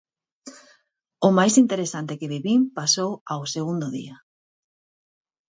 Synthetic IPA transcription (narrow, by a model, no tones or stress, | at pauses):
ʊmajsint̪eɾesant̪ekeβiβimpasowawseɣund̪ʊðḭa